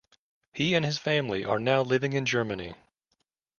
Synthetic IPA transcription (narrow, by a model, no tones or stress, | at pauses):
hiɨ̃nɨz̥fæ̃mliʔə˞naʊlɪvɪ̃ŋɨ̃nd͡ʒɜ˞mɨnḭ